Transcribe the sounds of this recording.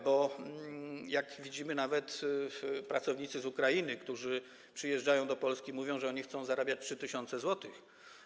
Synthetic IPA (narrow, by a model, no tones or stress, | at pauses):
bɔ | jakvʲid͡ʑimɘnavɛt̪ | pɾat̪sɔvɲit̪sɘzukɾajinɘkt̪uʐɘ | pʂɘjɛʐd͡ʐajɔ̃w̃d̪ɔpɔlskʲimuvʲjɔ̃w̃ʐɛɔɲixt̪sɔ̃w̃zaɾabʲjat͡ɕ̚tʂɘt̪ɘɕɔnt̪sɛzwɔt̪ɨx